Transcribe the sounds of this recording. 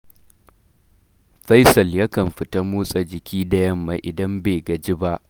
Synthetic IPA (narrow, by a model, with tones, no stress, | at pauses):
ɸɐ˦jsɐ˨lja˦kɐ˨mɸɪ˨tɐ˦muː˦sʼɐ˨d͡ʒɪ˨kʲʰiː˦dɐ˦jɐ˦mːa˨ʔɪ˨dɐ˦mbeː˨ɡɐ˨d͡ʒɪ˦ba˦ʔ